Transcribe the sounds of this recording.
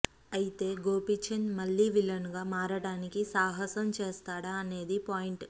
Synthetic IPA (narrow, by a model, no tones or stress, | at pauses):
ɐjit̪e̞ːɡoːpit͡ʃʰɐnmɐlːiʋilɐnɡaːmaːɾɐɽaːnikisaːɦɐsɐmt͡ʃeːst̪aːɽaːne̞ːd̪ipaːjiɳʈ